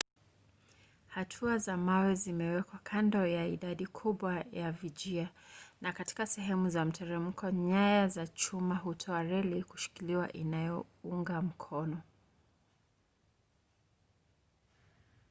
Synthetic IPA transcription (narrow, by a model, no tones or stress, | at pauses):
hatʰuazamawɛzimɛwɛkwakʰandɔjaiɗaɗikʰuɓwajavid͡ʒianakati̥kasɛɦɛmuzam̩tʰɛɾɛm̩kʰɔɲajazat͡ʃumaɦutʰɔaɾɛliku̥ʃi̥kiliwa̰ʔinajɔuŋɡam̩kʰɔnɔ